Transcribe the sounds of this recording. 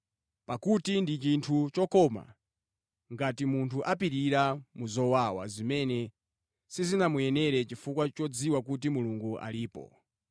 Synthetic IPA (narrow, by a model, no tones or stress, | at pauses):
pakutindit͡ʃintʰut͡ʃɔkɔma̰ | ŋɡatimuntʰuʔapiɾiɾamuzɔwawa̰zimɛnɛ | sizinamujɛnɛɾɛt͡ʃifukwat͡ʃɔd͡ziwak̬ut̬imuluŋɡuʔa̰liːpɔ̰